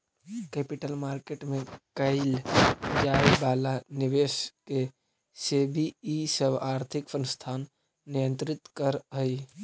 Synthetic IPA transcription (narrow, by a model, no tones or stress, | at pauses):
kɛpɪʈəlmaːɾkeʈmẽkəɪld͡ʒaibalaniʋeske | sebʱiːsəbaːɾt̪ʰɪksə̃nst̪ʰaːnː | ijə̃nt̪ɾɪt̪kəɾɦəj